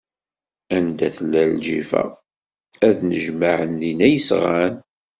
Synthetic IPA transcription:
ænd̪æθəlːæld͡ʒḭfæ̰ | æðnəʒmaʕənðinæjəsʁan

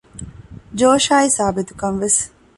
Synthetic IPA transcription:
d͡ʒoːʃaːisaːbit̪ukɐnʋes

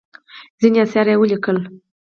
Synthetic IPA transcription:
zinʲasaɾawulʲikəl

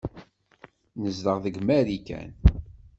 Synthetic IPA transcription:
nəzðəʁðəɡmæɾikæ̰n

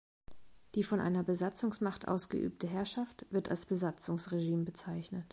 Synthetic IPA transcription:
d̥iːfɔnʔa̰ɪnɐbəzat͡sʊŋsmaχtʔa̰ʊsɡ̥ə̰ʔy̰ːp̚tʰəɦɛɐʃaftv̥ɪɐta̰lsb̥əzat͡sʊŋsʁeʒiːmbət͡saɪçnət

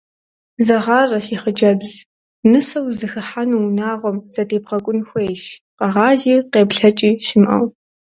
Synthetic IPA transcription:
zɐʁɑːɕʼɐsiːχəd͡ʒɐbz | nɨsɐwzɨxɨħanunaːʁʷɔmz̥ɐtʰeːb̚ʁɐkʷʼʊnxʷejʃ | qɐʁɑːziːqeːpɬɐt͡ʃʼiːʃɪmʔɐ̰w

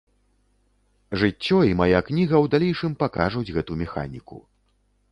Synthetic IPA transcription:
ʐɨt͡sʲːɔimajaknʲiɣɐwd̪alʲejʂɨmpakaʐud͡zʲɣɛt̪umʲɛxa̰nʲikṵ

